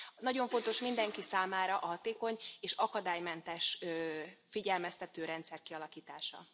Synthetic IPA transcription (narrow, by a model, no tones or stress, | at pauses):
nɒɟo̞ɱfo̞nt̪o̞ʃmind̪ɛŋkisaːmaːɾɒʔɒɦɒt̪eːko̞ɲeːʃɒkɒd̪aːjmɛnt̪ɛʃ | fiɟɛlmɛst̪ɛt̪øːɾɛnt̪sɛrkiɒlɒkiːt̪aːʃɒ̰